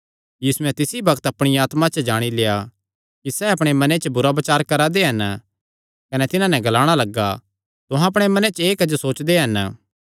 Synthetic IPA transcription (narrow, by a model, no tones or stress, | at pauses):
jiːsuɛ̃t̪ɪsibɐkt̪ɐpɽ̃iaːt̪mãt͡ʃəd͡ʒaːɽ̃ileːa | kisɛɐpɽ̃emɐnet͡ʃəbʊɾabɐt͡ʃaːɾkɐɾad̪eɦɐn | kɐnɛt̪ɪnãnɛɡɐlaːɽ̃alɐɡa | t̪ʊ̃ɦãɐp̬ɽ̃emɐnet͡ʃeːkɐd͡ʒosoːt͡ʃd̪eɦɐn